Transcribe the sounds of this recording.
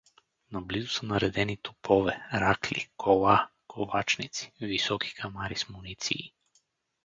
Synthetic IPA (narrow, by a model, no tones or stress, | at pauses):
nablizusənɐɾɛd̪ɛnit̪upʰɔvɛɾaklḭkʰɔlˠakolˠat͡ʃnit̪si̥visɔkʰi̥kʰamaɾismunit̪sḭː